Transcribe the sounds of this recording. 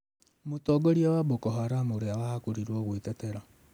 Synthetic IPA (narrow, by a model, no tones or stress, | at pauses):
motɔɡɔɾjawaβokɔɦaɾamoɾeawahakuɾiɾwɔɣwetɛtɛɾa